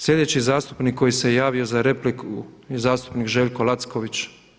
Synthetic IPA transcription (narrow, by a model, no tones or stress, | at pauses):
slʲʎe̞d̪et͡ɕizaːst̪u̥pnikʰːo̞jisejaːʋio̞zaɾeplikʰujzaːst̪u̥pnikʒeːʎʲko̞lˠat̪skoʋit͡ʃ